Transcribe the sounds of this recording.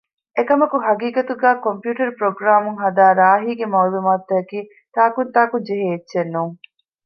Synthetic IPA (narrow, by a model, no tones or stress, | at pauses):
ʔekɐmɐkuɦɐɡiːkɐt̪uɡæːkompjuːʈɐɾupɾoɡɾaːmuŋɦɐd̪aːɾaːɦiːɡemɐwlumaːt̪ːɐɐkiː | t̪aːkunt̪aːkuɲd͡ʒeɦeːtːʃenːuːŋ